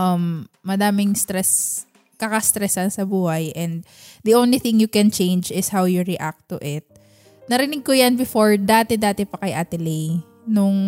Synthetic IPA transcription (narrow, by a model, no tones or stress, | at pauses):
ʔɐmːɐd̪aːmɪŋst̪ɾɛs | kɐkɐst̪ɾɛsɐnsɐbuːhɐjʔɛ̃nd̪̚ | d̪iʔõwnliθɪ̃ŋjʊkɛ̃nt͡ʃẽjnd͡ʒɪshawjʊɹiʔak̚t̪ʊʔɪt̪̚ | nɐɾɪnɪɡ̚kojanbɪfoɹd̪aːt̪ɛd̪aːt̪ɛpɐkɐjʔat̪ɛli | nʊŋ